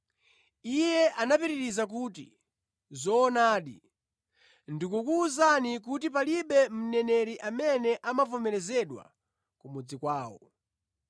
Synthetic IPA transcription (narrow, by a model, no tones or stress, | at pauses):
ijɛʔanapiɾiɾizak̬utḭ | zɔːnaːɗḭ | ndikukuːzanik̬utipaliɓɛm̩nɛnɛɾiʔamɛnɛʔamavɔmɛɾɛzɛɗwa̰ | kumud͡zikwaːwɔ̰